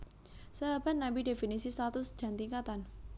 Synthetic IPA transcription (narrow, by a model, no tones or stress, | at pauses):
səɦab̥at̪̚nabidefinisisat̪ʊsd̥ʒ̥a̤nt̪iŋkat̪an